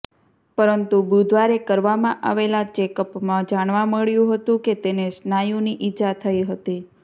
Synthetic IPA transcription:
pəɾənt̪ubud̪ʋaɾekəɾʋamãʔa̰ʋelat͡ʃekəpmãd͡ʒaɳ̃ʋãməɭjũɦət̪ũket̪enesnajũniʔid͡ʒat̪ʰəiɦət̪i

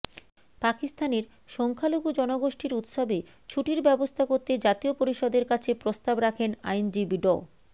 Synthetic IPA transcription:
pakist̪aneɾ | ʃɔŋkʰaloɡud͡ʑɔnoɡoʃʈiɾut̪ʃobe | t͡ɕʰuʈiɾbɛbost̪ʰakoɾt̪ed͡ʑat̪iopoɾiʃod̪eɾkat͡ɕʰepɾost̪abɾakʰena̰jnd͡ʑibiɖɔ

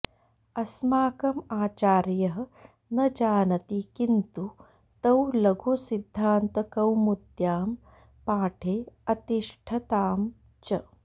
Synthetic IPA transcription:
ɐsmaːkɐmaːt͡ʃaːɾjɐɦɐ̆ | nɐd͡ʒaːnɐt̪ikint̪u | t̪ɐwlɐɡʱusid̪ʱːaːnt̪ɐkɐwmud̪jaːm | paːʈʰeːɐt̪iʂʈʰɐt̪aːm | t͡ʃɐ

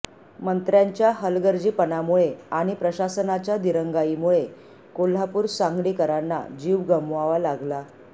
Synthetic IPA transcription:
mənt̪ɾjaɲt͡ɕjaɦəlɡəɾd͡ʑiːpənamuɭeaɽ̃ipɾəɕasənat͡ɕjad̪iɾəŋɡaimuɭe | kol̤apuːɾsãŋɡliːkəɾanːa̰d͡ʑiʋɡəmʋaʋalaɡla

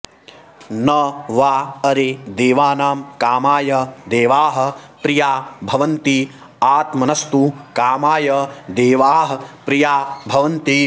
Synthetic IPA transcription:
nɐʋaːɐɾed̪eːʋaːnaːmkaːmaːjɐd̪eːʋaːɦɐ̆pɾijaːbʱɐʋɐnt̪i | aːt̪mɐnɐst̪ukaːmaːjɐd̪eːʋaːɦɐ̆pɾijaːbʱɐʋɐnt̪i

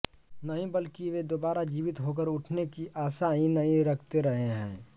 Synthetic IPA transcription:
nɐɦĩbəlkiʋed̪oːbaːɾad͡ʒiːʋɪt̪ɦok̬əɾʊʈʰnekiʔaːsaĩnɐɦĩɾɐkʰt̪eɾɐɦeɦɛ̰̃ː

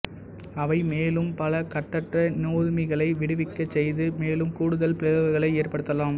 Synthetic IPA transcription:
ɐʋɐɪmeːlɯmpɐlɐkɐʈːɐʈrɐnuːɾmɪɣɐɭɐɪʋɪɽɯʋɪkːɐt͡ʃːɛjðɯmeːlɯmkuːɽɯðɐlpɪɐɾɯɣɐɣɐɭɐɪeːrpɐɽɯt̪ːɐlaːm

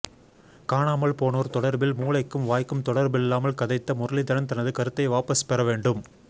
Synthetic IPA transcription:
kaːɳaːmɐɭpoːnoːɾt̪ɔɽɐɾbɪlmuːlɐɪkːɯmʋaːjkːɯmt̪ɔɽɐɾbɪlːaːmɐlkɐðɐɪt̪ːɐmʊɾɐlɪt̪ɐɽɐnt̪ɐnɐðɯkɐɾɯt̪ːɐɪʋaːpɐspɛɾɐʋeːɳɖɯm

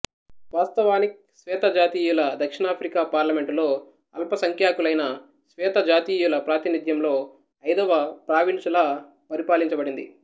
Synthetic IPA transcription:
ʋaːst̪ɐʋaːni | sʋɛːt̪ɐd͡ʒaːt̪iːjulɐd̪ɐkʂiɳaːpʰɾikaːpaːɾlɐme̞ɳʈlo̞ː | ɐlpɐsɐŋkʰjaːkulɐjnɐ | sʋɛːt̪ɐd͡ʒaːt̪iːjulɐpɾaːt̪inid̪jɐmlo̞ː | ɐjd̪ɐʋɐpɾaːʋint͡ʃɐla | pɐɾipaːliɲt͡ʃɐbɐɽind̪ḭ

